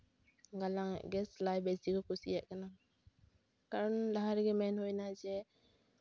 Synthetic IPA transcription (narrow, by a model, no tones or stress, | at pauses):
ɡalaŋɛ̰ʔɡɛslajbɛsikɔkusiɛʔkana | kaɾɔnlaɦaɾɡɛmɛnɦojnad͡ʒɛ